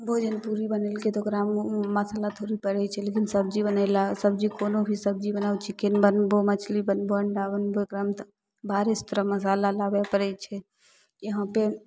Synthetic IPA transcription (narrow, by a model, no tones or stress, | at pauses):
bʱod͡ʒənpuɾibənəlket̪okɾamməsalat̪ʰoɾipəɾɛt͡ʃʰɛlekinsəbd͡ʒibənəlasəbd͡ʒikonobʱisəb̚d͡ʒibənaut͡ʃʰikenbənbomət͡ʃʰlibənboəɳɖabənboekɾamt̪ | bʱaɾest̪ɾəməs̬alalabɛpəɾɛt͡ʃʰɛ | keɦãpe